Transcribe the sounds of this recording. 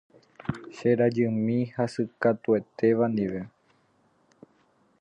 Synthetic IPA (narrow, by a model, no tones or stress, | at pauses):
ʃeɾad͡ʒɨmĩhasɨkat̪ue̞t̪e̞ʋand̪iʋe̞